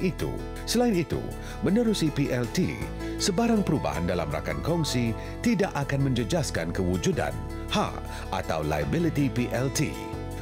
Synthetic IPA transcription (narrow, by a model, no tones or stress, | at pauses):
it̪ṵ | səlaɪnit̪ṵ | mə̃nəɾusipiʔɛlt̪ḭ | səbaɾaŋpəɾuba̰ɦa̰ndala̰mra̰ka̰nkɔŋsi | t̪idaʔakanmə̃ɲd͡ʒəd͡ʒaskankəwud͡ʒuda̰n | ha̰ | ʔa̰t̪a̰wla̰jabilit̪ipiʔɛlt̪ḭ